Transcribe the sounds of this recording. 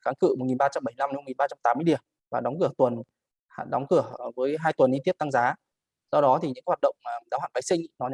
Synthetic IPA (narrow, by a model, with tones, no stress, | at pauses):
xaː˨˦nkɨ̰˧˨m˨˩t̚ŋi˨˩nɓaː˧t͡ɕa˧mɓə˧˩jla˧mn˨˦o˨˩ŋi˨˩ɓaː˧t͡ɕa˧mt̪aː˨˦mː˧jɗi˧˩əm | vaː˨˩ɗɔ˨˦wŋ͡mkɨ˧˩ət̪wə˨˩n | a̰˧˨ɗɔ˨˦wŋ͡mkɨ˧˩əvəː˨˦jɦaː˧jt̪wə˨˩nʔi˧t̪i˦˥əp̚t̪a˧ŋzaː˨˦ | sɔ˧wɗɔ˨˦t̪ʰi˨˩ɲɨ̰˧˥ka˧˦hwaː˨˩ɗə̰˧˨wŋ͡mmaː˨˩˨zaː˨˦haː˧˨nɓa˨˦sï˧ŋnɔ˨˦ɲ˨˦